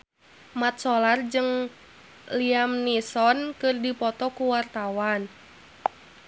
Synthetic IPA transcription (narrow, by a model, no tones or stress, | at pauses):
mat̪̚sɔlard͡ʒɨŋ | liamnisɔnkɨrdipɔt̪ɔkuwart̪awan